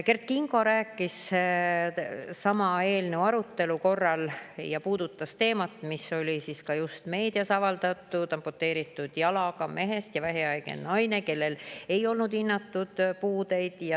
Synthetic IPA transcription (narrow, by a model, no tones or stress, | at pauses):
ke̞rt̪̚kiŋɡo̞ɾæːkˑːis | sɑmɑe̞ːlneuɑɾut̪ːe̞luko̞rːɑljɑpuːd̪̥ut̪ːˑɑst̪e̞ːmɑt̪ːˑmiso̞lʲisiskɑjust̪me̞ːd̪̥iɑsɑvɑld̪̥ɑt̪ːˑud̪̥ɑmpot̪ːˑe̞ːɾit̪ːˑud̪̥jɑlɑkɑme̞ɦe̞st̪jɑvæɦiɑjɡ̥ḛnnɑjne̞ke̞lːe̞le̞jo̞lnud̪inːɑt̪ːud̪̥puːd̪̥e̞jd̪̥jɑ